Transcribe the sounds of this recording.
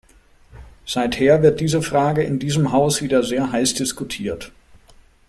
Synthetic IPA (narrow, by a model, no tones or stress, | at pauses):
z̥aɪtheːɐvɪɐt̚d̥iːzəfʁ̥aːɡəɪndiːzəmɦaʊsv̥iːdɐzeːɐɦaɪsd̥ɪskutʰiːɐt